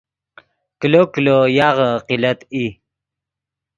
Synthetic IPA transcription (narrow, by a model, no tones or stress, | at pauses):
kəloklojɑʁəqilat̪i